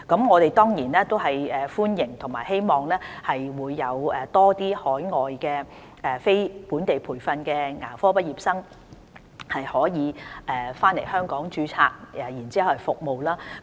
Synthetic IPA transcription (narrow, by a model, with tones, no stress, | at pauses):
kɐ˨˥mŋɔː˨˧t̪e˨jt̪ɔː˥ŋjiː˨˩nlɛː˥t̪o˥wɦɐ˨jɛː˨fuː˥njɪ˨˩ŋt̪ʰʊ˨˩ŋmaː˨jhe˥jmɔː˨ŋlɛː˥hɐ˨jwuː˨˧jːɐ˨˧wɛː˨t̪ɔː˥t̪iː˥hɔː˨˥jŋɔː˨jkɛː˧ | ʔɛː˨fe˥jpuː˨˥nt̪e˨jpʰuː˨˩jfɐ˧nkɛː˧ŋa̰ː˨˩fɔː˥pɐ˥t̚jiː˨˩p̚sɐ˥ŋ | hɐ˨jhɔː˨˥jiː˨˧ʔɛː˨faː˥nle˨˩jhœː˥ŋkɔː˨˥ŋt͡ʃyː˨˥t͡sʰa̰ː˧k̚ɛ˨jiː˨˩nt͡si˦˥hɐ˨˧whɐ˨jfʊ˨k̚mo˨wlaː˥